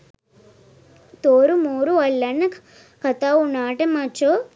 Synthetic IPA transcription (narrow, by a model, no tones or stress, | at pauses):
t̪oːɾumoːɾuɐlːɐnːɐk | kɐt̪aunaːʈɐmat͡ʃo